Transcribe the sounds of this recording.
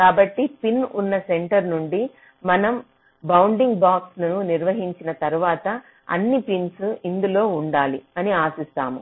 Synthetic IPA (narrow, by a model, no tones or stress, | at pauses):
kaːbɐʈːipinunːɐseɳʈɐɾnuɳɖi | mɐnɐm | bɐwuɳɖiŋɡbaːksnɐnuniɾʋɐɦiɲt͡ʃinɐt̪ɐɾuʋaːt̪ɐ | ɐ̰nːipinsuind̪ulo̞ːuɳɖaːliɐniaːsist̪a̰ːmu